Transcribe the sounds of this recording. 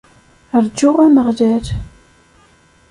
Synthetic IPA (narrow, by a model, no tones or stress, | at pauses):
əɾd͡ʒːʊʁæməʁlæɾ